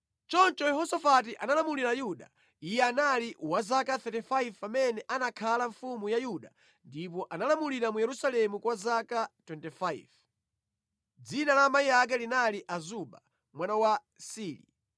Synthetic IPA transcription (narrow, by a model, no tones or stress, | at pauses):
t͡ʃɔnt͡ʃɔjɛɦɔsafat̬iʔanalamuliɾajuɗa̰ | ijɛanaliwazakaθɛtifaivpamɛnɛʔanakʰalaɱfumujajuɗa | ndip̬ɔʔanalamuliɾamujɛɾusalɛmukwazakatwɛntɛfaiv | d͡zinalamaijak̬ɛlinaliʔazuɓa̰ | mwanawa | siːlḭ